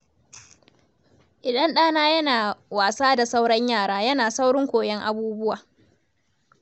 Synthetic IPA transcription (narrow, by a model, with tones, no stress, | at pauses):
ʔɪ˨ɗɐ˦nɗaː˦naː˦jɐ˦naː˨waː˨saː˦da˨sa˦wɽɐ˦ɲjaː˦˨ɽaː˦jɐ˦naː˨sa˦wɽɪ˦ŋkʷoː˨jɛ˦ŋʔa̰˨buː˦bʊ˦waː˨